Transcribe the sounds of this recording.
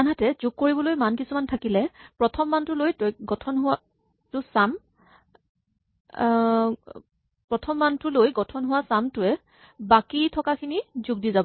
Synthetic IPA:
anɦatɛzuɡ̚kːoɹibɔlojmankisumantʰakilɛpɹɔtʰɔmːantʊlojtoɡɔtʰɔnɦʊa | tʊsam | pɹɔtʰɔmːantʊlojɡɔtʰɔnɦʊwasamtʊɛ | bakitʰɔkakʰinizuɡ̚dizabɔ

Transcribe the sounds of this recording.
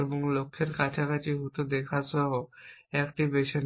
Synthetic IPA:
eboŋlokʰːeɾkat͡ʃʰakat͡ɕiɦut̪od̪ekʰasɔɦoɛkʈibeʃon

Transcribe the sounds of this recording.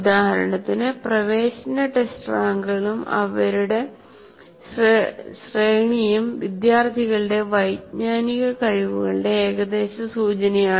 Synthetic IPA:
ud̪aːhɐɾɐ̰ɳɐt̪ːinɨprɐʋe̞ːɕɐnɐʈesʈraːŋɡɨɣɐɭumɐ̰ʋɐɾuɽe̞ | rɕreːɳijumʋid̪jaːrt̪ʰiɣɐɭɨɽe̞ʋɐjdɲaːniɣɐkɐɻiʋuɣɐɭɨɽe̞eːɣɐd̪e̞ːɕɐsuːt͡ɕɐnɐjaː

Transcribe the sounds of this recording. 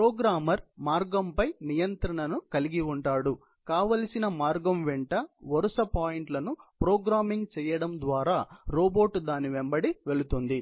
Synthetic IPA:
pɾoːɡɾaːmɐɾmaːɾɡɐmpɐjnijɐnt̪ɾɐɳɐnukɐliɡiuɳʈaːɽu | kaːʋɐlɐsinɐmaːɾɡɐmʋɛɳʈɐʋɐɾusɐpaːjiɳʈlɐnupɾoːɡɾaːmiŋɡt͡ʃɛːjɐɽɐmd̪ʋaːɾaːɾoːbo̞ːʈːd̪aːniʋembɐɽiʋe̞ɭut̪und̪i

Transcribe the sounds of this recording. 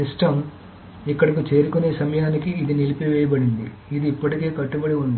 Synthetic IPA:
isʈɐm | ikːɐɽɐkut͡ʃe̞ːɾukune̞ːsɐmɐjaːnikiːd̪inilipiʋɛːjɐbɐɽind̪ḭ | id̪iːpːɐʈike̞ːkɐʈːubɐɽiund̪i

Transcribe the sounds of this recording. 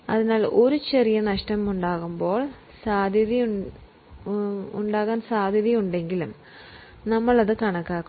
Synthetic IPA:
ɐðinaːlo̞ɾut͡ɕe̞rijɐnɐʂʈɐmuɳɖaːɣumbo̞ːɭ | saːd̪ʱjɐði | uɳɖaːɣaːnsaːd̪ʱjɐðijuɳɖe̞ŋɡilum | nɐmːɐɭɐðɨkɐɳɐkːaːkː

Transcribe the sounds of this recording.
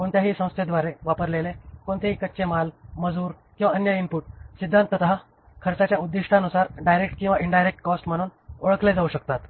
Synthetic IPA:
koɳt̪jaɦiːsə̃w̃st̪ʰed̪ʋaɾeʋapəɾlelekoɳt̪eɦikətːt͡ɕemalməd͡zuːɾkĩw̃ʋaənjaimpuːʈ̚sid̪ʱːãnt̪ət̪ɦa | kʰəɾt͡sat͡ɕjaud̪ːiʂʈʰaənusaɾɖajɾekʈkĩw̃ʋaʔiɳɖajɾek̚ʈkɔsʈm̤əɽ̃uːnoɭəkled͡zauɕəkt̪at̪

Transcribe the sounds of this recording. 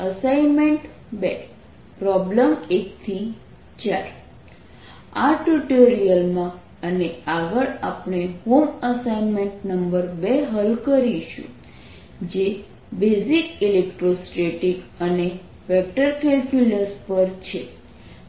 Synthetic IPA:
əsajmeɳʈ | be | pɾɔbləmek̚t̪ʰi | t͡ʃaɾ | aʈuʈoɾijəlmã | əneaɡəɭapɳeɦoməsainmeɳʈnəmbəɾbeɦəlkəɾiʃṵ̃ | d͡ʒe | bezikilekʈɾosʈɾeʈikəne | ʋɛk̚ʈəɾkɛlkjuləspəɾt͡ʃʰe

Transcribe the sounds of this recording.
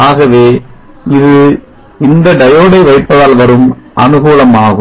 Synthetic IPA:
aːɣɐʋeː | ɪðɯ | ɪnd̪ɐɖɐjoːɽɐɪʋɐɪʈpːɐðaːlʋɐɾɯmʔɐnɯɣuːlɐmaːɣɯ

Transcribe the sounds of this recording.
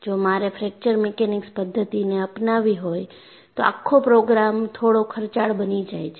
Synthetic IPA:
d͡ʒomaɾefɾɛk̚t͡ʃəɾmɛkenɪkspəd̪ʱːət̪ineəpnaʋiɦoj | t̪oa̰kʰːopɾoɡɾamt̪ʰoɽokʰəɾt͡ʃaɭbənid͡ʒajt͡ʃʰe

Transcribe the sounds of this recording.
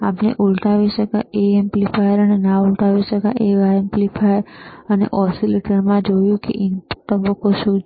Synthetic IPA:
apnḛʔulʈ̪aʋiʃəkaʔeemplifajəɾənenãult̪aʋiʃəkaʔeʋaemplifʰajəɾənḛʔɔsileʈəɽmãd͡ʒojũkḛʔint̪əbəkːoʃũ

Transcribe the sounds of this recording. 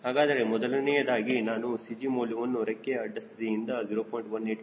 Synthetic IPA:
ɦaːɡaːd̪ɐɾe̞mɔd̪ɐlɐnɛjɐd̪aːɡinaːnusid͡ʒimoːljɐʋɐnːuɾekːeɐɖːɐst̪ɐd̪ijind̪ɐd͡ʒiːɾoːpojɳʈbɐnːiʈ

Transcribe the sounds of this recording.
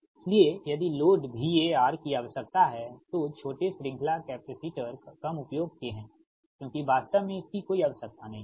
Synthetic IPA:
ɪsliejɐd̪iloːɖbʱijeaːɾkiaɐʋəsɐk̚t̪aɦɛt̪ot͡ʃʰoːʈesɾɪ̃ŋkʰlakɛːpɪsiːʈəɾkɐmʊpjoːɡ̚t̪eɦɛ̃ː | kjõːkiʋaːst̪əʋmẽɪskikoːiɐʋəsək̚t̪anɐɦĩ

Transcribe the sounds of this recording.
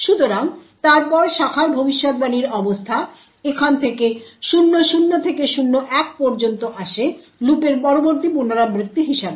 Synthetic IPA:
ʃut̪oɾaŋt̪aɾpɔɾʃakʰaɾbʱobiʃːot̪baniɾɔbost̪ʰa | ekʰant̪ʰekeʃunːoʃunːot̪ʰekeʃunːoʔɛk̚pɔɾd͡ʑont̪oʔaʃe | lupeɾpɔɾoboɾt̪ipunaɾamɾit̪ːiɦiʃabe

